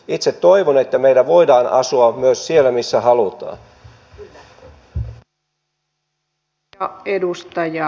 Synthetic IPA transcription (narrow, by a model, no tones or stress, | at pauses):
it̪set̪toiʋonet̪ːæmeidæʋo̞idɑːnɑ̰suɑmyøssielːæmisːæhɑlut̪ɑ̰ːn | edust̪ɑjɑ